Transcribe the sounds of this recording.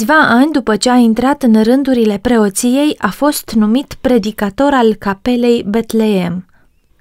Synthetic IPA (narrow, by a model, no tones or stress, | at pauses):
ɨsʲvaʔanʲd̪upət͡ʃe̞aint̪ɾat̪ɨnrɨnd̪uɾile̞pɾe̞o̞t̪sije̞jafo̞st̪numit̪pɾe̞d̪ikat̪o̞ɾalkape̞le̞jbe̞t̪le̞e̞m